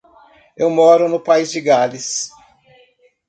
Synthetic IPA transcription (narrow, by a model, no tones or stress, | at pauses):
ewmɔɾʊnʊpaizd͡ʒɪɡalis